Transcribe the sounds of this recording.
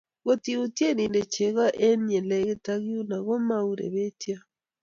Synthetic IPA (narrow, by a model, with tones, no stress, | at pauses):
ɣo˨ti˦utje˦ni˨nde˨t͡ʃe˨ɣa˦ʔe˦n˦e˨le˨ɣe˦taɣjo˦na˨ɣo˦mauɾḛ˨βe˦tja˦